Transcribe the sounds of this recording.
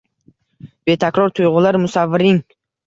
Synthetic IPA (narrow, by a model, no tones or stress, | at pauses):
b̥e̞t̪ʰakɾɒɾt̪ʰʊjʁʊlaɾmʊsavːɪɾɪŋ